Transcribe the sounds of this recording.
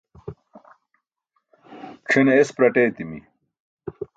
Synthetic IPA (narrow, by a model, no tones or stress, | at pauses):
ʈ͡ʂʰinespɾɐʈeːt̪imḭ